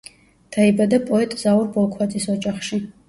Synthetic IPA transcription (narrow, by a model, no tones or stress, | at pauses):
t̪ʰaibad̪apʼɔɛt̪ʼzauɾbɔlˠkʰwat͡sʼisɔt͡ʃʼaχʃi